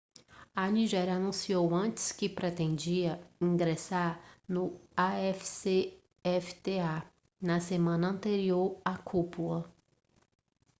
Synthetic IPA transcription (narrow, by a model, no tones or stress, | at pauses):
ɐniʒɛɾjɐanũsiowɐ̃t͡ʃɪ̥skɪpɾet̪ẽd͡ʒiɐĩɡɾesaɾnʊaɛfi̥se | ɛfi̥t̪ea | nɐsemɐ̃nɐɐ̃nt̪eɾioɾakʰupulɐ